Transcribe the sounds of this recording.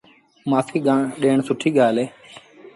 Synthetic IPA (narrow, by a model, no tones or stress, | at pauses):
maːfʰiːɠaːɗeːɳsʊʈʰːiːɠaːleː